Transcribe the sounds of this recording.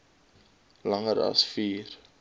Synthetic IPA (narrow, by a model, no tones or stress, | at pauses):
lɐŋəɾɐ̰sfiːr